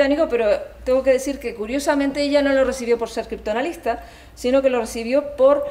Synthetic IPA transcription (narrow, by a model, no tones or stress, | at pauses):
amiɣope̞ɾo̞t̪eŋɡo̞ke̞ðe̞siɾke̞kuɾjo̞samẽ̞nt̪e̞eʎano̞lo̞re̞siβjo̞po̞ɾse̞ɾkɾip̚t̪onalist̪a | sino̞ke̞lo̞resiβ̞jo̞po̞ɾ